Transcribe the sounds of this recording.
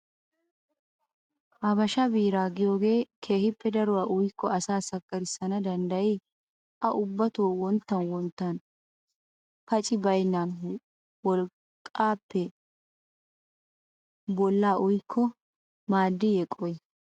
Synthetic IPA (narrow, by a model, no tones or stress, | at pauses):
ʔɐbɐʃɐbiːɾaːɡɪjo̞ːɡe̞ːkʰe̞ːhɪpːɛd̪ɐɾʊwaːʔʊjkʰːɔɐsaːsɐkʼːɐɾɪsːɐnɐd̪ɐnd̪ɐjɪ | ʔɐʔʊbːɐt̪oːwɔnt̪ːɐnwɔnt̪ːɐn | pɐt͡ʃʼɪbɐjnːan | wɔl | kʼːaːpːɛ | bɔlːaːʔʊjkʰːɔ | maːd̪ːɪjɛkʼːɔj